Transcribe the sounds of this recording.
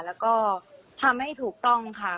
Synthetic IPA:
lɛː˦˥wkɔː˥˩ | t̪ʰa˧mha˥˩jt̪ʰuː˨˩k̚t̪ɔ˥˩ŋkʰa˥˩

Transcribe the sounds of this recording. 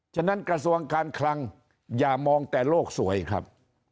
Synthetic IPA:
t͡ɕʰaː˥˩na˦˥nkɾa˧su˧əŋkaː˧nkʰla˧ŋ | jaː˨˩mɔː˧ŋt̪ɛː˨˩loː˥˩k̚su˩˦ɐjkʰɾa̰˦˥p̚

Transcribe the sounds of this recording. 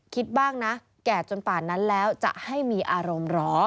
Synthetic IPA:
kʰi˦˥t̪̚baː˥˩ŋna˦˥ | kɛː˨˩t͡ɕo˧npaː˨˩na˦˥nlɛː˦˥wt͡ɕa̰˨˩ʔha˥˩jmiː˧ʔaː˧ɾo˧mɾɔː˦˥

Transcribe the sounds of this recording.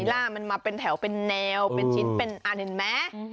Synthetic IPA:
jlaː˥˩ma˧nmaː˧pe˧nt̪ʰɛ˩˦wpe˧nːɛː˧wpe˧nt͡ɕʰi˦˥npe˧nʔa˧˩nɯ˨˩˦nmɛ˦˥

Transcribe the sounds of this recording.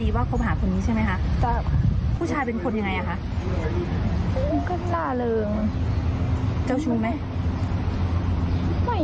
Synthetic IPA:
iː˧waː˥˩kʰo˧˥mɦaː˩˦kʰo˨˩˦nːiː˦˥t͡ɕʰa˥˩jma˦˥jkʰa˦˥ʔt͡ɕa˧˩kʰa˥˩pʰuː˥˩t͡ɕʰaː˧jpe˧nkʰo˧nja˧ŋːa˧jʔa˨˩kʰa˦˥ʔ | kɯ˥˩nlaː˧˩lɤː˧ŋ | t͡ɕa˥˩wt͡ɕʰuː˧ma˦˥j | ma˧˩

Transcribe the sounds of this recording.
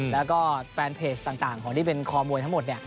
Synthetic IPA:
lɛː˦˥kɔː˥˩fɛː˧npʰeː˧˩t͡ɕt̪aː˨˩ŋt̪aː˨˩ŋkʰɔː˩˦ŋt̪iː˥˩pe˧nkʰɔː˧mu˧jt̪ʰmo˨˩t̪̚ni˧˩ɐ

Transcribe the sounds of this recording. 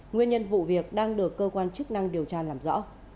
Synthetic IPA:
ŋwi˧ənɲə˧nvṵ˧˨vi˨˩ək̚ɗaː˧ŋɗɨ˨˩əkːəː˧kwaː˧nt͡ɕɨ˦˥k̚na˧ŋɗi˨˩əwt͡ɕaː˧laː˨˩mzɔ̰˧˥

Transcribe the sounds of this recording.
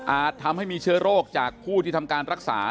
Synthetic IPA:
ʔaː˨˩t̪ʰːa˧mha˥˩jmiː˧t͡ɕʰɯ˥ɐɾoː˥˩k̚t͡ɕaː˨˩k̚pʰːuː˥˩t̪ʰiː˥˩t̪ʰa˧mkaː˧nɾa˦˥k̚sa̰ː˩˦

